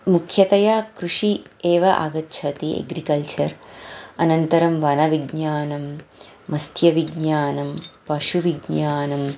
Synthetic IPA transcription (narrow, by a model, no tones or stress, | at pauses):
mukʰjɐt̪ɐjaːkɾuʂieːʋɐʔa̰ːɡɐtːʃʰɐt̪iḛɡɾikɐlt͡ʃɐɾɐnɐnt̪ɐɾɐmʋɐnɐʋiɡɲaːnɐmː | ɐst̪jɐʋiɡɲaːnɐmpɐʂuʋiɡɲaːnɐm